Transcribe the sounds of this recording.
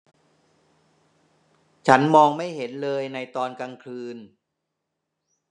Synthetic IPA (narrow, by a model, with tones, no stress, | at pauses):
t͡ɕʰa˦˥nmɔː˧ŋma˥˩jɦe˩˦nlɤː˧jna˧jt̪ɔː˧nka˧ŋkʰɯː˧n